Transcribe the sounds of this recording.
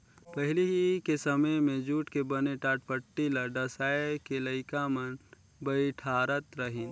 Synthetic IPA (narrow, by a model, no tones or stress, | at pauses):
pəɦɪliɦikesəməjmẽd͡ʒuːʈkebəneʈaːʈ̚pəʈːilaɖəsaːekeləɪkamən | bəiʈʰaːɾət̪ɾəɦin